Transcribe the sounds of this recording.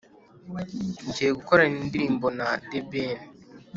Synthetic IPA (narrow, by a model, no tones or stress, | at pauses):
ɲd͡ʒejeɡukoɾanindiɾiːmbo̞nadeben